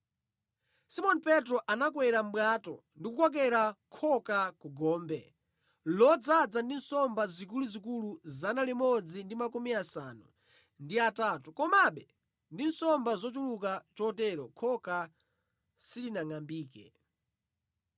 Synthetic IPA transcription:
simɔnipɛtɾɔʔanakwɛɾam̩ɓwatɔ̰ | ndikukɔk̬ɛɾakʰɔkakuɡɔːmbɛ | lɔd͡zad͡zandinsɔmbazik̬uluzikuluzanalimɔd͡zindimakumiasanu | ndiatatukɔmaɓɛ | ndinsɔmbazɔt͡ʃuluk̬at͡ʃɔtɛɾɔkʰɔka | silinaŋambiːkɛ̰

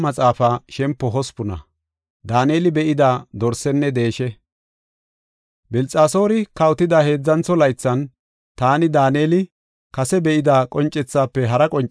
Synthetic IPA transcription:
mɐt͡sʼaːfaːʃɛmpːɔɦɔspʊnɐ̰ | d̪aːneːlɪbɛʔɪd̪aːd̪ɔɾsɛnːɛd̪e̞ːʃɛ | bɪlt͡sʼaːso̞ːɾɪkɐwt̪ɪd̪ɐhe̞ːd͡zːɐnt͡sːɔlɐjt͡sːɐn | t̪aːnɪd̪aːneːlɪ | kɐsɛbɛʔɪd̪aːkʼɔnt͡ʃʼːɛt͡sːaːpːɛɦɐɾɐkʼɔnt͡ʃʼ

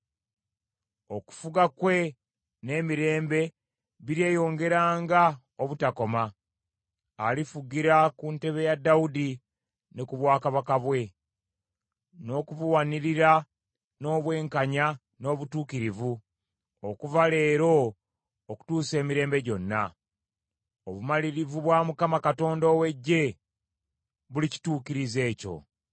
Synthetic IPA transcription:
o̞ku̥fuɡakwe̞ | ne̞ːmiɾe̞ːmbe̞ | βiɾje̞ːjo̞ːŋɡe̞ɾaːŋɡa | oβutako̞ma | alifuɡiɾakunte̞βe̞jadːaudi | nekuβwaːkaβakaβwe̞ | no̞ːkuβuwaniɾiɾa | no̞ːβwe̞ːŋkaɲa | no̞ːβutuːkiɾivu | okuvale̞ːɾo̞ː | ku̥tuːse̞ːmiɾe̞ːmbe̞ɟo̞nːa | oβumaliɾivuβwamukamakato̞ːndoːwe̞ɟːe̞ | βulici̥tuːkiɾize̞ːco̞̰

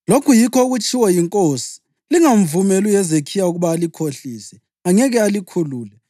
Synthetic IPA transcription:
lokʰujikʰɔuɣut͡ʃʰʼiwɛjiŋkʼoːsi̥ | liŋaɱvumelujɛzekʰijauɣuβaːlikʰoɬiːsɛ | aŋɛɣɛalikʰuluːlɛ

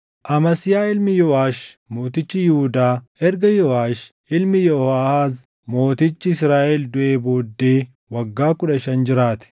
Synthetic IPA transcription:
ʔɐmɐsɪjaːɪlmɪjɔaːʃ | mo̞ːt̪ɪt͡ʃːɪjɪhʊd̪aːʔɛɾɡɐjɔaːʃ | ʔɪlmɪjɔhaːhaːz | mo̞ːt̪ɪt͡ʃːɪɪsɾaːʔɛld̪ʊʔeːbo̞ːd̪ːe̞ː | wɐɡːaːkʊᶑɐʃɐnd͡ʒɪɾaːt̪ɛ̥

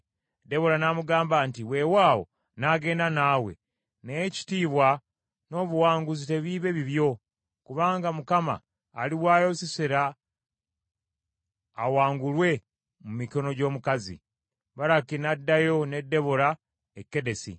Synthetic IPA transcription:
de̞βo̞ɾanamuɡaːmbantiwe̞waːwo̞̰ | naːɡe̞ːndanaːwe̞̰ | neeci̥tiːβwa | no̞ːβuwaːŋɡuzite̞βiːβe̞βiβjo̞ | kuβaːŋɡamukama̰ː | liwaːjo̞siseɾa | waːŋɡulwe̞ | mumiko̞no̞ɟo̞ːmukazḭ | βaɾakinadːajo̞ne̞dːe̞βoɾa | ekːe̞de̞sḭ

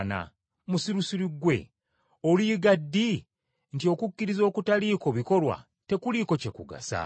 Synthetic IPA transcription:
na̰ | musiɾusiɾiɡwe̞̰ | oliːɡadːi | ntio̞kukːiɾizo̞ːkutaliːko̞βiko̞lwa̰ | te̞kuliːko̞ce̞kuɡa̰sa̰

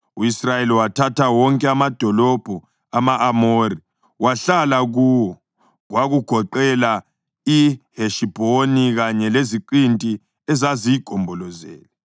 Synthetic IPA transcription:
uisrajeliwatʰatawɔŋkʼɛamad̥ʱɔlɔb̥ʱɔ | amaʔːmori | waɬalaɣuwɔ | ɣwaɣuɡ̥ʱɔǃɛla | iheʃib̥ʱoniɣaɲɛleziǃintʼi | ɛzazijiɡ̥ʱɔmbʱɔlɔzɛ̰ːlɛ

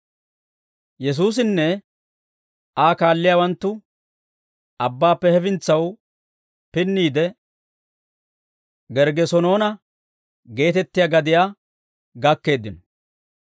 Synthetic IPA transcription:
jɛs̬uːs̬ɪnːɛ | aːkaːlːɪjaːwɐnt̪ːʊ | ɐbːaːpːɛhɛfɪnt͡sːɐw | pɪnːiːd̪ɛ | ɡɛɾɡɛsɔno̞ːnɐ | ɡe̞ːt̪ɛt̪ːɪjaːɡɐd̪ɪjaː | ɡɐkːe̞ːd̪ːɪnɔ

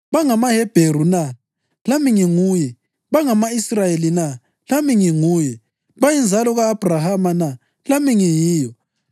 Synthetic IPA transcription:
βaŋamahɛb̥ʱeɾuna | lamiŋiŋuːjɛ | βaŋamaisrajelina | lamiŋiŋuːjɛ | βajind͡zʱalɔɣaːb̥ʱrahamana | lamiŋijiːjɔ

